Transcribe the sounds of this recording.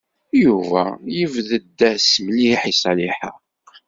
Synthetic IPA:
juvæ̰jəvðəd̪ːæsmliħisˤɑliħəq

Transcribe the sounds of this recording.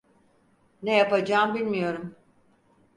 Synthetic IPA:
nejapad͡ʒaːmbilʲmijo̞ɾum

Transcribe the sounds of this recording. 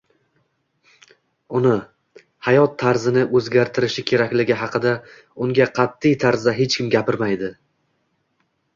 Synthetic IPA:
ʊnɪ | hajɒt̪ʰːaɾzɪnɪʔɵzɡʲaɾt̪ʰɪɾɪʃɪkʲʰe̞ɾakʲlɪɡʲɪɦɑqʰɨd̪a | ʊŋɡʲaqʰɑt̪ːɪjt̪ʰaɾzaɦe̞t͡ʃkʲɪmɡʲapɪɾmajd̪ɪ

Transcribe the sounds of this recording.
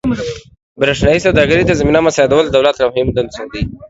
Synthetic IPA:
bɾaʂnajisawd̪ɑɡəɾid̪azaminamasad̪awəld̪awlat̪lamhɪmd̪ansand̪i

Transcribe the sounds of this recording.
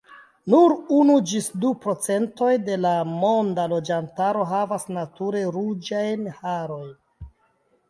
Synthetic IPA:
nuɾunud͡ʒisdupɾo̞t͡se̞nto̞jde̞lamo̞ndalo̞d͡ʒantaɾo̞ɦavasnatuɾe̞ɾud͡ʒajnhaɾo̞jn

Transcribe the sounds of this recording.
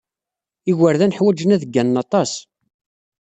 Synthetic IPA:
iɣəɾðænəħwæd͡ʒənæðəɡːænːɑt̪ˤɑs

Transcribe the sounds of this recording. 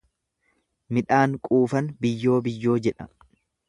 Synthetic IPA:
mɪᶑaːŋkʼuːfɐnbɪjːo̞ːbɪjːo̞ːd͡ʒɛᶑɐ̰

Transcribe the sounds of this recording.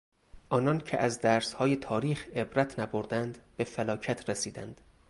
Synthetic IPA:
ʔɒːnɒːncʰḛʔæzd̪æːɾshɒːjet̪ʰɒːɾiːxe̞bɾæt̪ʰnæboɾd̪ænd̪be̞felɒːcʰæt̪ʰɾesiːd̪æ̰nd̪̥

